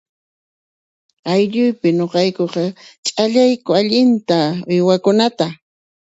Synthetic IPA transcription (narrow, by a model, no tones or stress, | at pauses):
ajʎʊjpɪɲoqɑjkoqɑt͡ʃʼaʎajkʊaʎɪnt̪aʊjwakʊnat̪a